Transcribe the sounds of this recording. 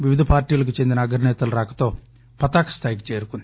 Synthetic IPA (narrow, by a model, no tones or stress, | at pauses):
ʋiʋid̪ʱɐpaːɾʈiːlɐk̬ut͡ʃend̪inɐːɡɾnɛːt̪ɐlɾaːkɐ̥t̪o̞ː | pɐt̪aːkɐ̥st̪ʰaːjik̬i̥t͡ʃeːɾukond̪i̥